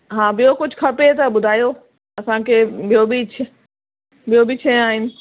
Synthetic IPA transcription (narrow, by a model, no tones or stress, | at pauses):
ɦãːbɪjokʊd͡ʒʱkʰɐpet̪ɐɓʊd̪ʱaːjoː | ɐsãːkʰebɪjobit͡ʃʰ | bɪjobit͡ʃʰeaːɦɪnɪ̆